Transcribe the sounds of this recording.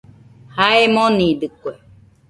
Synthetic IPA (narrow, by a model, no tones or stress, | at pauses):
haemõnĩd̪ɨkwe